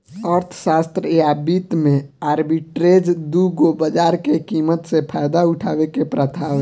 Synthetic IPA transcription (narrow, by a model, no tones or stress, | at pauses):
əɾt̪ʰʃaːst̪ɾəabiːt̪mẽaːɾbiʈɾeːd͡ʒd̪uɡobəd͡ʒaːɾkekiːmət̪sepʰaːjd̪aʊʈʰaːʋekepɾət̪ʰaːʋ